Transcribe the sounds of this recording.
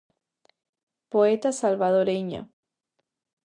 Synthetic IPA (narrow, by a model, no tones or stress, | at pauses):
poet̪asalβaðoɾeɲa̰